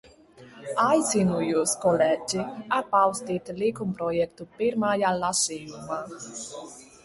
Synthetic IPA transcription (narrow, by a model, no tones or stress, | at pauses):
ajsinujuskolɛd͡ʒiapawst̪it̪likumpɾojɛkt̪upeɾmajalːaseuma